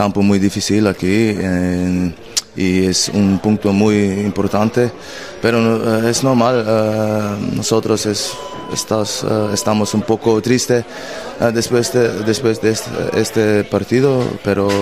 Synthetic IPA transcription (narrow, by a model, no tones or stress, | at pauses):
kampomujðifisilakie | iesṵnpũnt̪omujimpoɾt̪ant̪e | peɾoesnoɾmal | nosot̪ɾoses | ḛst̪asest̪amosumpokot̪ɾist̪e | d̪espwesd̪ed̪espweszd̪eest̪est̪epaɾt̪iðopeɾo